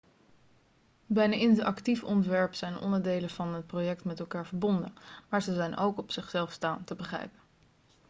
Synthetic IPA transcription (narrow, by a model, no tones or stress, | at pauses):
bɛjnaɪntʔɑktifɔntʋɛɹpsɛjnɔ̰ndəɹdejləv̥ɑnɦət̚projɛk̚tmɛtɛlˠkaːɹvəɹbɔndənmaːɹzəzɛjnowkɔpsɪχsɛlˠfstaːntəbəχrɛ̰jpən